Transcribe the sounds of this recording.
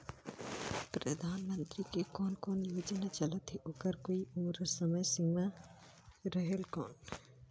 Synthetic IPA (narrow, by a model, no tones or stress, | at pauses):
pɾəd̪ʱaːnmə̃nt̪ɾikekɔːnkɔːnjoːd͡ʒnat͡ʃələt̪ɦeʔoːkəɾkoːiumɾəsəməjsɪ̃ma | ɾəɦelkɔːn